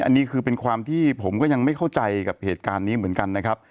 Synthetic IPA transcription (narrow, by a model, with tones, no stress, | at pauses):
ʔa̰˧nːiː˦˥kʰɯː˧pe˧nkʰwaː˧mt̪ʰiː˥˩pʰo˩˦mkɔː˥˩ja˧ŋma˥˩jkʰa˥˩wt͡ɕa˧jka˨˩p̚heː˨˩t̪̚kaː˧nːiː˦˥mɯ˩˦ə˦nka˧nːa˦˥kʰa˦˥p̚